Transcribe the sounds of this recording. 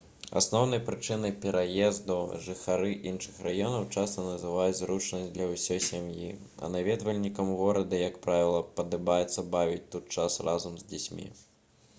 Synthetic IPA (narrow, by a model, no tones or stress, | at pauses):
a̰snɔwnɐjpɾɨt͡ʂɨnɐjpʲɛɾʔajɛzd̪uʐɨxaɾɨʔinʂɨxrajɔnɐwt͡ʂast̪ɐnɐzɨvajud͡zʲzɾut͡ʂnɐsʲd̪lʲɐwsʲɔjsʲamji | ɐ̰navʲɛd̪vɐlʲnʲikɐmɣɔɾɐd̪ɐjɐkpɾavʲilˠɐpɐd̪ɨbajɛt̪sːɐbavʲit͡sʲt̪ut̪̚t͡ʂasrazɐmzʲd͡zʲit͡sʲmʲḭ